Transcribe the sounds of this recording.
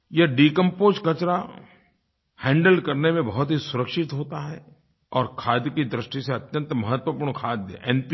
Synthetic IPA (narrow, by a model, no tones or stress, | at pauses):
jɐɖiːkə̃mpoːskɐt͡ʃɾa | hɛ̃ːɳɖəlkɐɾnemẽbɐɦʊt̪ɦisʊɾəkʃɪt̪ɦoːt̪aɦɛ | ɔːɾkʰaːd̪jkid̪ɾɪʃʈiseɐt̪jə̃nt̪mɐɦət̪wəpuːɾnkʰaːd̪jə̰ɛ̃ːnp